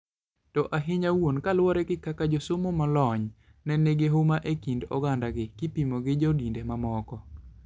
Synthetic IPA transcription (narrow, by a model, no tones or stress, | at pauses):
tɔʔaɦɪɲawonkalwɔɾɛkɪkakad͡ʒɔsomomalɔɲ | nɛneɡeɦʊmaʔekindɔ̰ɡandaɡɪkɪpimoɡɪd͡ʒɔdindemamɔkɔ